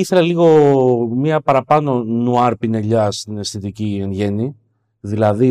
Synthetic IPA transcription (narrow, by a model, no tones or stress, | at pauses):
iθe̞lɐliɣo̞mɲɐpɐɾɐpɐno̞nuɐɾpine̞ʎɐst̪ine̞sθit̪icie̞nʝe̞ni | ðilɐði